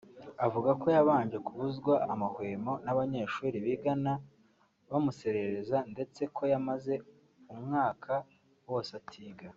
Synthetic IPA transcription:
avuɡako̞jaβaːɲd͡ʒe̞kuβuzɡwaamahwe̞ːmo̞naβaɲe̞ːʃuːɾiβiɡana | βamuse̞ɾe̞ɾezande̞t͡se̞kʰo̞jamaze̞ | umŋaːkʰa | wo̞ːsatʰiːɡa

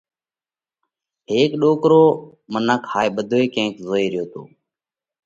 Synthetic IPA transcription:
ɦeːkɗoːkɾoː | mənəkhaːiːɓəd̪ʱoːeːkẽːkzoːiːɾɪjoːt̪o̰ː

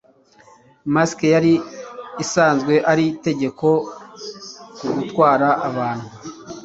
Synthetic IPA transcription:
maskejaɾiː | saːnzɡwe̞ʔaɾite̞ɟe̞ko̞ | kuɡutkwaːɾaʔːβaːn̥hu

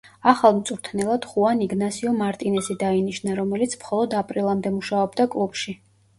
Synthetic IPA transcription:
aχalˠmt̪sʼɾt̪ʰnɛlˠad̪̥χuaniɡnasiɔmaɾt̪ʼinɛsid̪ainiʃnaɾɔmɛlit̪sʰmχɔlˠɔd̪apʼɾilˠamd̪ɛmuʃaɔbd̪akʼlˠubʃi

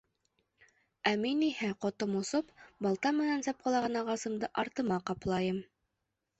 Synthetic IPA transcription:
æminihɘqŏt̪ɤmŏsopbɑlˠt̪ɑmɘ̆nænsɑp̚qɑlˠɑʁɑnɑʁɑsɤ̆md̪ɤʔɑɾt̪ɤ̆mɑqɑplˠɑjɤm

